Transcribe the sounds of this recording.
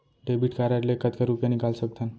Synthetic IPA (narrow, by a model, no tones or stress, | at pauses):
ɖebiʈkaɾaɾlekət̪kaɾupjanikalsək̚t̪ʰən